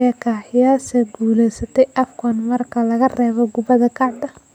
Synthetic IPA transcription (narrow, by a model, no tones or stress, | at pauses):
ɐkʰaːħɪjaːsɛɡuːlɛjsɐt̪ʰɛjʔɐfkʰɔnmɐrkʰɐlɐɣɐrɛːβɔɡʊβɐðɐkʰɑʕd̪ɐ